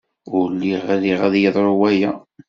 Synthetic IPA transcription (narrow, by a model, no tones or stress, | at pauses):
ʊlːiʁæliʁæðjəðˤɾˤowæjæ